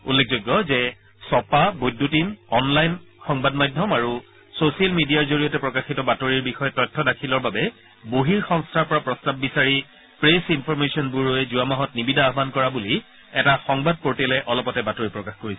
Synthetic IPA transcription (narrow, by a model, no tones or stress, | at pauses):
ulːek̚ʰzojɡːɔzɛ | sɔpabojdʱːutinɔnlajnxɔŋbadmajdʱɔmaɹu | sosialmidiaɹzoɹijɔtɛpɹɔkaxitɔbatoɹiɹbixɔjɛtɔjtʰːɔdakʰilɔɹbabɛ | boɦiɹxɔŋstʰaɹpɔɹapɹɔstabːisaɹi | pɹesinpʰɔɹmesiɔnbuɹoɛzuamaɦɔt̚nibidʱaːɦbankɔɹabuli | ɛtaxɔŋbad̚poɹtɛlɛʔɔlɔpɔtɛbatoɹipɹɔkaxkoɹisɛ